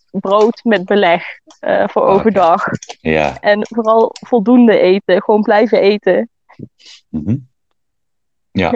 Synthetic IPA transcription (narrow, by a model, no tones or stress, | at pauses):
browtmɛd̚bəlɛχ | ə̰v̥ʊːɹo̰wvəɹdɑχja̰ʔɛnvoːrɑlˠv̥ɔlˠdundəʔejtəχʋownblɛjvəʔejtə | ɦ̩ | ja̰